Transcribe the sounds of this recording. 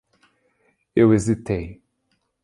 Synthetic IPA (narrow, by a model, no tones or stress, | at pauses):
ewezit̪ej